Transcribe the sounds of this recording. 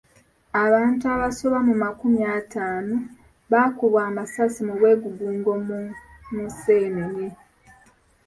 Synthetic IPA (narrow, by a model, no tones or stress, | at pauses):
aβaːntuaβaso̞βamumakumjaːtaːno | βakuβwaːmasasimuβwe̞ːɡuɡuːŋɡom | museːnene